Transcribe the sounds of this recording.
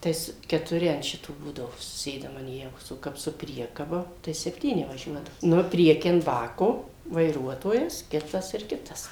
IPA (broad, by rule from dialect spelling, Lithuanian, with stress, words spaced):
ˈtɐɪs kʲɛtʊˈrʲɪ ɐn ˈʃʲɪtoː ˈbuːdɐʋoː sʊˈsʲeːdɐm ɐn ˈjæːʋoːs oː ˈkɐp sʊ ˈpʲrʲiɛkɐbɐ tɐɪ sʲɛpʲˈtʲiːnʲɪ ʋɐˈʒʲuɔdɐʋoː ˈnʊ ˈpʲrʲiɛkʲiː ɐn ˈbɑːkoː ʋɐɪˈruɔtoːjɛs ˈkʲɪtɐs ɪr ˈkʲɪtɐs